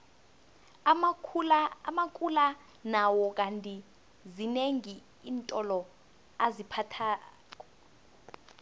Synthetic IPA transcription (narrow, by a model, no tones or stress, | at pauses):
amakʼula | nawɔk̬ʼantʼi | zineŋi | iːntʼɔlɔ | azipʰatʰaː | k̬ʼɔ